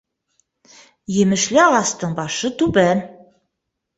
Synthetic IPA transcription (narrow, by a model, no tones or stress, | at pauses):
jemɘ̆ʃlɘɑʁɑst̪ɤɴbɑʃɤt̪ʉbæn